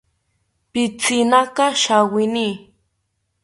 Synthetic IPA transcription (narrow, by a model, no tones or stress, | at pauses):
pɪt͡sɪnakɑʃawɪniː